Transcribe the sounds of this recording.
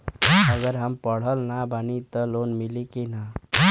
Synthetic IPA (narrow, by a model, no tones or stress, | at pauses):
ʌɡʌɾɦampʌɽ̤ʌlnabʱʌnit̪ʌlonmilikena